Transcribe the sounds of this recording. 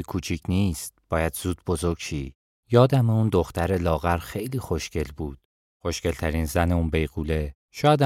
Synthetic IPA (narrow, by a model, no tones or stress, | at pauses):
jekʰuːt͡ʃʰiːcʰniːst̪̚b̥ɒːjæd̪z̥uːd̪̚bo̞zoɾɡʃiː | jɒːd̪æmeund̪o̞xt̪æɾe̞lɒːɣæɾxe̞jliːxoʃce̞lbuːd̪̥ | xoʃce̞lt̪ʰæɾiːnzæneuːnbe̞jɣuːle | ʃɒːjæd̪æ